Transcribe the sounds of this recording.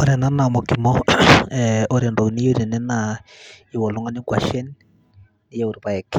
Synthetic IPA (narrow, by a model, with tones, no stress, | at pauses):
oɾɛna˦namokimɔ | oɾendɔ˨ni˦jo˦ɾinɛ˦na | i˨wɔ˨lo˦ŋa˦ni˦kwa̰˨ʃɛ˦nː | i˦ja˦u˨ɾubaɛk